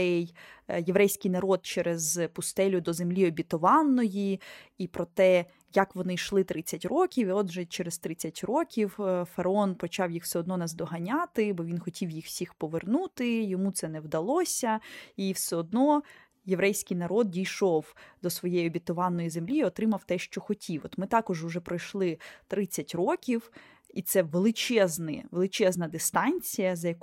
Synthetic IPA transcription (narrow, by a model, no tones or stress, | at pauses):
ɛjjeʋɾɛjsʲkɪjnɐɾɔd̪̚t͡ʃɛɾezpʊst̪ɛlʲʊd̪ɔzemlʲiɔbʲit̪ɔʋɑnːɔjiipɾɔt̪ɛ | jɐkʋɔnɪʃlˠɪt̪ɾɪt͡sʲːɐtʲrɔkʲiwiɔd̪ʒɛt͡ʃɛɾest̪ɾɪt͡sʲːɐtʲɾɔkʲiwfɐɾɐɔnpɔt͡ʃɑwjixw̥sɛɔd̪nɔnɛzd̪ɔɦɐnʲat̪ɪbɔʋʲinxɔtʲʰiwjixw̥sʲixpɔʋernut̪ɪjɔmut̪sɛnɛwd̪ɐlˠɔsʲɐiwsɛɔd̪̚nɔ | jeʋɾɛjsʲkɪjnɐɾɔd̪̚dʲijʃɔwd̪̥ɔsʋɔjejɐbʲit̪ʊʋɑnːɔjizemlʲiːɔt̪ɾɪmɐwt̪ɛʃt͡ʃɔxɔtʲʰiwɔt̪mɪt̪ɑkɔʒʊʒɛpɾɔjʃlˠɪt̪ɾɪt͡sʲːɐtʲrɔkʲiw | it̪sɛʋelˠɪt͡ʃɛznɪ̰ʋelˠɪt͡ʃɛznɐd̪ɪst̪ɑnʲt͡sʲijɐzɐjɐk